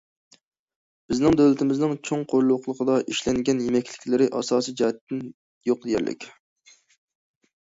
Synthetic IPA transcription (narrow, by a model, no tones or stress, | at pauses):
b̥ɪznɪŋd̪øwlɪt̪ʰɪmɪznɪŋt͡ʃʰoŋqʰoɾlˠʊqlˠəqʰəd̪ɑʔiʃlɛŋɡʲɛnjemɛkʲlɪkʲlɪɾɪʔɑ̰sɑːsijd͡ʒɑhɛt̪ːɪn | joq̚d̪ejʲɛ̰llːʔɪ̰kʲ